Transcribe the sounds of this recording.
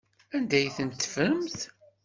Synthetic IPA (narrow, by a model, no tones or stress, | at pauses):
ænd̪æjθənt̪ːfəmθ